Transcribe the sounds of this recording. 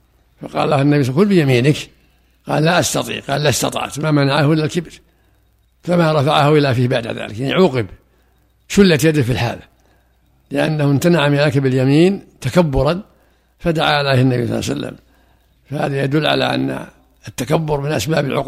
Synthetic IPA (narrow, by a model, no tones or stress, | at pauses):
faqɑ̰ːllahanːabisˤkʊlbɪjamiːnɪk | qɑ̰ːllaʔast̪ɑt̪ˤḭːʕqɑːlːast̪ɑ̰t̪ˤɑ̰ʕt̪mamanaʕahʔɪlːalkɪbɾ | famaɾˤɑfaʕahʔɪlːafiːhbaʕd̪a̰ða̰ːlɪkjaniʕuːqɪb | ʃʊlːat̪jad̪ɪfilħa̰ːla | lɪʔa̰nːahɪnt̪anaʕmɪʕakabɪljamiːnt̪akabːʊɾˤɑn | fad̪aʕaɪlajhanːabḭjsˤɑ̰lːɑ̰sa̰lːa̰m | fahaːðajad̪ʊlːʕa̰la̰ʔa̰nːa̰ | at̪ːakabːʊɾmɪnʔa̰sbaːbalʕʊ̰q